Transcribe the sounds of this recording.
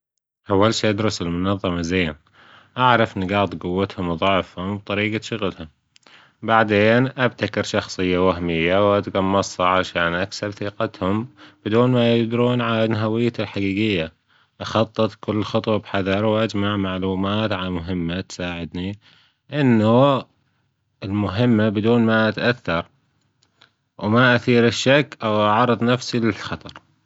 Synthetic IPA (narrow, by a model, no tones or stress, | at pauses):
ʔawːalʃiːʔad̪ɾʊsɪlmʊnɑðˤːɑmazeːn | ʔaʕɾˤɑfɪnːɪɡɑːt̪ˤɡʊwːat̪hʊmðˤɑʕfhʊmb̚t̪ˤɑɾiːɡaʃʊɣlhʊm | baʕd̪eːnʔab̚t̪akɪɾʃɑxsˤɨjːawahmɪjːawʔat̪ɡɑmːɑsˤɑʕaʃaːnʔaksabθiːqɑt̪hʊmb̥ɪd̪uːnmajɪd̪ɾuːnʕanɦawɪjːalħaɡiːɡɪjːa | ʔɑxɑt̪ˤːɨt̪ˤkʊlːxɑt̪ˤwɑbħaðɑɾˤwʔad͡ʒmaʕmaʕluːmaːt̪ʕalamʊɦɪmːat̪saːʕɪd̪ni | ʔɪnːʊ | ɪlmʊɦɪmːabɪd̪uːnmaʔat̪ʔaθːɑɾˤ | wmaʔaθiːɾɪʃːakːʔawʔɑʕɑɾˤːɨðˤnafsilɪlxɑt̪ˤɑɾˤ